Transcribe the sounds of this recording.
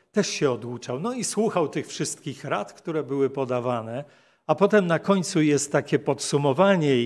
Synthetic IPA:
t̪ɛʂɕɛɔd̪wut͡ʂawnɔiswuxawt̪ɘxfʂɘst̪̚kʲixɾat̪kt̪uɾɛbɘwɘpɔd̪avanɛ | apɔt̪ɛmnakɔɲt̪sujɛst̪ːakʲɛpɔt̪sumɔvaɲɛ

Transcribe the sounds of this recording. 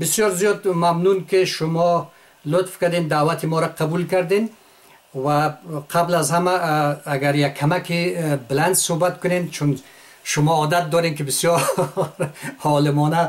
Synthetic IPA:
bɪsjɔɾzijɔd̪mamnunkiʃʊmɔ | lʊt̪fkad̪end̪aːwat̪ʰimɔɾaqʰabulkaɾd̪en | vaqʰablazhamaːɡaɾjakʰːamakibɪland̪sohbat̪kʊnent͡ʃʰun | ʃʊmɔɔd̪at̪̚d̪ɔɾenkibisjɔɾ | hɔlɪmɔna

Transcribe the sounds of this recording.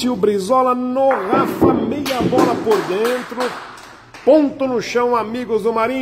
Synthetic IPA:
iʊbɾizɔlɐnoʁafɐmejɐbɔlɐpoɾd̪ẽnt̪ɾʊ | põnt̪ʊnʊʃɐ̃w̃amiɡʊzd̪ʊmaɾĩ

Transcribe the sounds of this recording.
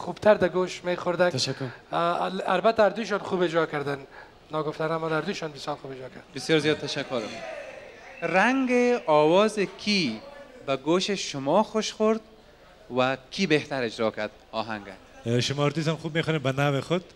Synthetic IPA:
xubt̪ʰaɾd̪aɡoʃmeχʊɾd̪at̪aʃakːɾ | albat̪aːɾd̪uʃ̬ɔnχubed͡ʒɾɔkaɾd̪an | nɔɡʊft̪anamɔd̪aɾd̪uʃɔnbɪsjɒɾxubed͡ʒɾɔkaɾd̪abɪsjɔːɾzjɔːd̪̚t̪aʃakːʊɾ | ɾaŋɡeɔwɔzɪkʰibaɡoʃeʃʊmɔxoʃxʊɾd̪ | wakʰibeht̪aɾɪd͡ʒɾɔkaɾd̪ | ɔɦaŋɡa̰ | ʃʊmɔːɾd̪ishamxub̚meχɔnembanawɪxʊd̪̚

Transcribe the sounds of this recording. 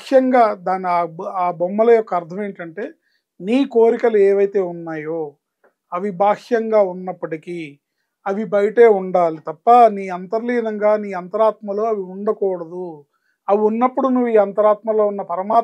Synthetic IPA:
jɐŋɡaːd̪aːniaaːbɔmːɐlɐjɔkːɐɐɾt̪ʰɐme̞ːɳʈɐɳʈe̞ː | niːkoːɾikɐlueːʋɐjt̪e̞ːunːaːjoː | ɐʋibʱaːkjɐŋɡaːunːɐpːɐʈiki | ɐʋibɐjɐʈe̞ːuɳɖaːlit̪ɐpːɐniːɐnt̪ɐɾliːnɐŋɡaːniːɐnt̪ɐɾaːt̪mɐlo̞ːɐʋiuɳɖɐkɔːɽɐd̪u | ɐʋiunːɐpːuɽunuʋːuiːɐnt̪ɐɾaːt̪mɐlo̞ːunːɐpɐɾɐmaː

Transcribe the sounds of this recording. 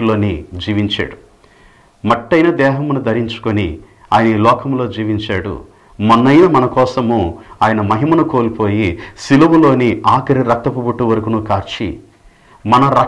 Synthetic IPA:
lo̞ːnid͡ʒiːʋiɲt͡ʃa̰ːɽu | mɐʈːɐjnɐd̪ɛːɦɐmnud̪ʱɐɾiɲt͡ʃu̥koni | aːjɐnɐiːlɔːkɐmlo̞ːd͡ʒiːʋiɲt͡ʃaːɽṵ | mɐnːɐjɐmɐnɐkɔːsɐmuaːjɐnɐmɐɦimɐnɐko̞ːlipo̞ːjisilɐʋɐlo̞ːniʔaːkɐɾiɾɐk̚t̪ɐpubuʈːuʋɐɾɐkunukaːɾt͡ʃḭ | mɐnɐɾɐ

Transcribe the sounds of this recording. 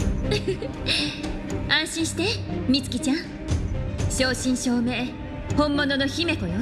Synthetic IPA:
ãɰ̃ɕĩɰ̃ɕi̥t̪emʲit͡sɨ̥kʲit͡ɕãɰ̃ | ɕoːɕĩɰ̃ɕo̞ːme̞ː | hõ̞mːononoçime̞kojo

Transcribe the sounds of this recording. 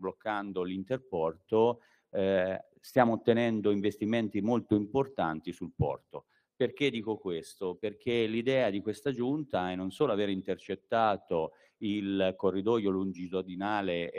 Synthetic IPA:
blokːand̪olint̪erpɔrt̪o | st̪jaːmoːt̪ːenɛnd̪oiɱvest̪iment̪imolt̪oimport̪ant̪isulpɔ̰rt̪o | perk̟ed̪ːiːkokwest̪operk̟elid̪ɛːad̪ikwest̪ad͡ʒunt̪aɛnːonsoːloaveːɾint̪ert͡ʃet̪ːaːt̪o | ilkorːid̪ɔjolund͡ʒizod̪inaːle

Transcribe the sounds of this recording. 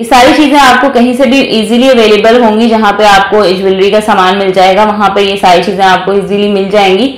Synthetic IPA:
jesaːɾit͡ʃiːzẽaːp̚kokɐɦĩsebʱiʔiːziliɐʋeːleːbəlɦõːŋɡid͡ʒɐɦãpeaːp̚koɪd͡ʒʋɪlɾikasaːmaːnmɪld͡ʒaːeːɡaʋɐɦãpɐjesaːɾit͡ʃiːzẽaːp̚koiːzilimɪld͡ʒaːẽːŋɡiː

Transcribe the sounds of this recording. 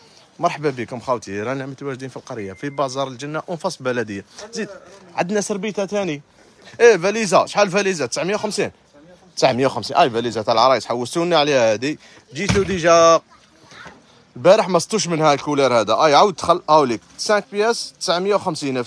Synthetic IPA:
mɑɾˤħbæbəkʊmxɑwt̪iɾænəʕmət̪uwæʒd̪infilqɑɾjːafibɑzˤɑɾˤəlʒənːaʔʊnfɑsˤbælæd̪əjːazid̪ʕa̰d̪næsəɾbit̪æt̪æni | ʔæbælizæʃħalfælizat̪əsʕməjːawxəmsin | t̪əsʕməjːawxəmsinʔæjbælizæt̪ælʕɾˤɑjt̪ħawːəst̪uniʕlihæd̪i | d͡ʒit̪lud̪iʒæq | lbæɾəħmæsˤt̪ːˤuʃ̬mənhælkulæɾhæd̪æʔæjʕawd̪̚t̪xælːʔhæwlik̚sæ̃k̚pjæst̪ːə̥sʕməjːawxəmsinæ

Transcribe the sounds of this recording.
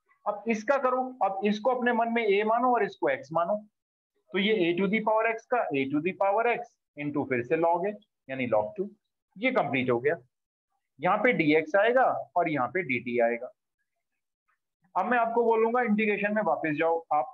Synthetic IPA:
ɐbɪskakɐɾoːɐbɪskoɐpnemɐnmẽeːmaːnoɔːɾɪskoɛːksmaːnoː | t̪ojeeːʈud̪ipaːʋəɾɛːkskaʔeːʈud̪ipaːʋəɾɛːks | ɪ̃ɳʈufɪɾselɔːɡeːd͡ʒ | jaːnilɔ̰ːk̚ʈuː | jekɐ̃mpliːʈɦoːɡɐjaː | jɐɦãpeɖiːeːksaːeːɡaːɔːɾjɐɦãpeɖiːʈiaːeːɡaː | ɐbmɛ̃aːp̚koboːlũːŋɡaɪ̃ɳɖɪɡɾeːʃənmẽʋaːpɪsd͡ʒaːoaːp̚

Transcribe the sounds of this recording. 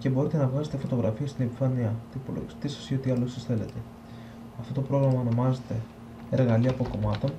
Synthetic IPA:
ce̞bo̞ɾit̪e̞nɐvɣɐze̞t̪efo̞t̪o̞ɣɾɐ̰fiɐst̪inepifɐniɐt̪iipo̞lo̰ɣist̪isɐ̥sio̞t̪iɐlosisθe̞le̞t̪e̞ | ɐft̪ot̪opɾo̞ɣɾɐmɐono̞mɐze̞t̪e̞ | eɾɣɐliɐːpo̞ko̞mɐt̪o̞n

